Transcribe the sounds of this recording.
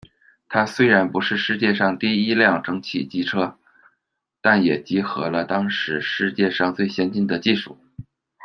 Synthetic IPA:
t̪ʰa˥swe˥ɪɻa˧˥npu˧˥ʂɻ̩˥˧ʂɻ̩˥˧t͡ɕjɛ˥˧ʂɑ˥˧ŋt̪i˥˩i˥ljɑ˥˩ŋʈ͡ʂɤ˥ŋt͡ɕʰi˥˩t͡ɕi˥ʈ͡ʂʰɤ˥ | t̪a˥˩njɛ˨˩t͡ɕi˧˥xɤ˧˥lə˧t̪ɑ˥ŋʂɻ̩˧˥ʂɻ̩˥˧t͡ɕjɛ˥˧ʂɑ˥˧ŋt͡swe˥˩ɪɕjɛ˥nt͡ɕi˥˩nd̪ə˩˨t͡ɕi˥˧ʂṵ˥˩

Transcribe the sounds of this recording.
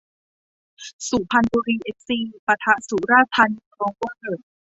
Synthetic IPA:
su˨˩˦pʰa˧nbuː˧ɾiː˧ʔe˦˥k̚siː˧pa˧t̪ʰa˧suː˨˩˦ɾaː˥˩t̪ʰa˧nɾɔː˧ŋkɔː˧nde˨˩t̪̚

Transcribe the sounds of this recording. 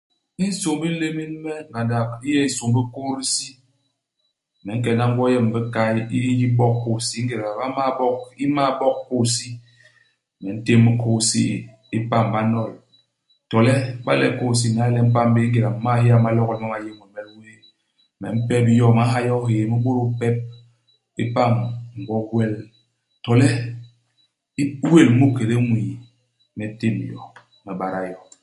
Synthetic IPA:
i˦n̩˦so˨ŋbi˦le˦mi˦n˦mɛ˦˨ɡa˨da˨ki˦jɛ˦i˦so˨ŋ˦bi˦ko˦ɾi˦si˦˨ | mɛ˨˦ŋ̩˦k̬ɛ˨na˦ŋ̩˦ɡʷwɔ˦jɛ˦m̩˨bɛ˦ka˦i˦ji˦bɔ˦kko˦˨si˦ŋ̩˦ɡe˨ɾa˨ba˦ma˦bɔ˦k̚i˦ma˦bɔ˦kko˦˨si˦˨ | mɛ˨n̩˦te˦mːi˦kʰo˦˨sḭ˦ | i˦pa˦˨m˨ba˦nɔ˦˨l | tɔ˨lɛ˦ba̰˦lɛ̰˦ko˦˨s̬i˦˨na˨˦le˦m̩˦pa˦m˦be˦ŋ̩˦ɡe˨ɾa˨m̩˨ma˦hi˦a˨ma˦lɔ˦kɔ˨˦mɔ˦ma˨je˦mɔ˨mɛ˦lwe˦˨ | mɛ˨m̩˦pɛ˦p̬i˦jɔ˦˨ma˦ɦa˦jɔ˦ɦeː˨me˦ɡo˦ɾu˦pɛ˦p̚ | i˦pa˦˨mŋ̩˨ɡɔ˦ɡwe˦l | tɔ˨lɛ˦ | we˦˨lmu˦ke˨ɾe˦ŋʷi˨ | me˨˦te˦m˨jɔ̰˨ | me˨ba˨ɾa˨jɔ˦

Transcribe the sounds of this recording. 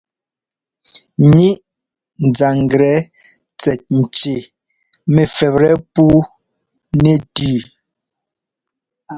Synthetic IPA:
ɲi˦ʔ | n̩˨d͡za˨ŋ˨ɡɾɛ˨˦ | t͡sɛ˨t̚n̩˨t͡ʃe˨ | me˨fɛ˨pɾɛ˦puː˦ | ne˨tʉː˨

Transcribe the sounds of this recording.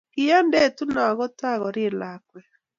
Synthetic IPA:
ki˦jɛ˦nde˦˨tu˦nɔ˨ɣo˦ta˦˨ɣɔ˨ɾi˦˨la˨kwɛ˨

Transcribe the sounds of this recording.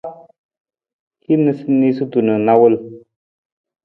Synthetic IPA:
hi˦nə˧si˦ni˦su˦tu˨nə˨na˦wə˦l

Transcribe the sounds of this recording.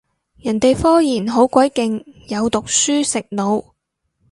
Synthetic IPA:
jɐ˨˩nt̪e˨jfɔː˥jiː˨˩nɦo˨˥wkʷɐ˨˥jkɪ˨ŋjɐ˨˧wt̪ʊ˨k̚syː˥sɪ˨k̚no˨˧w

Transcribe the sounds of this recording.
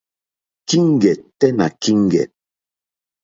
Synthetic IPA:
ki˦ŋ˦˨ɡɛ˨tɛ˦na̰˨ki˦ŋ˨ɡɛ̰˨t̚

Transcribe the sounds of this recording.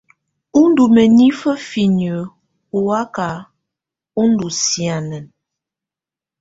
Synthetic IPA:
u˦n˦du˨mə˨ni˦fə˦fi˨nə˨˦ | u˨wa˦ka˨˦ | u˦n̩˦du˨si˨a˨nə˨n

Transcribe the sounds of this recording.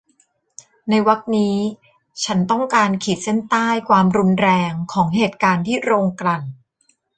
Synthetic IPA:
na˧jwa˦˥k̪̚niː˦˥ | t͡ɕʰa˦˥nt̪ɔ˥˩ŋkaː˧nkʰiː˨˩t̪̚se˥˩nt̪aː˥˩jkʰwaː˧mɾu˧nɾɛː˧ŋkʰɔː˩˦ŋɦeː˨˩t̪̚kaː˧nt̪ʰiː˥˩ɾoː˧ŋkɾa˨˩n

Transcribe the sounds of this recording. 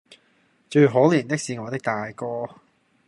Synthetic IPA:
t͡ʃɵ˧ɥɦoː˨˥liː˨˩nt̪ɪ˥k̚siː˨˧ŋɔː˨˧t̪ɪ˥k̚t̪aː˨jkɔː˧

